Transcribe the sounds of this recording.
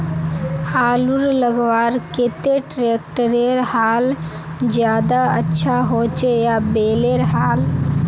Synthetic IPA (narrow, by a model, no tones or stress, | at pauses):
aːluɾləɡʋaːɾkɪt̪eʈɾeːkʈəɾeɾhaːl | d͡ʒjaːd̪aətːʃʰaɦoːt͡ʃejabeːleɾɦaːl